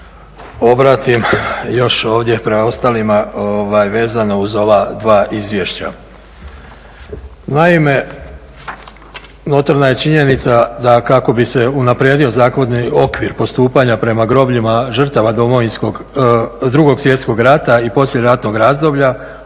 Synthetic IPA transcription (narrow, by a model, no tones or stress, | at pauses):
o̞bɾaːt̪imjo̞ʃo̞ːʋd̪je̞pɾemao̞st̪aːlimaoʋajʋe̞ːzanouzo̞ʋad̪ʋaːʔizʋje̞ʃt͡ɕa̰ | naime̞ | no̞t̪aɾnaje̞t͡ʃiɲe̞nit̪sad̪akako̞bise̞unapɾjed̪io̞zaːkʋod̪nio̞kʋiɾpo̞st̪uːpaɲapɾe̞maɡɾo̞bʎimaʒr̩t̪aʋad̪o̞mo̞ʋinskoɡ | d̪ɾuɡo̞ɡsʋje̞t̪sko̞ɡɾat̪aipo̞sʎʲeɾat̪no̞ɡɾaːzd̪o̞bʎa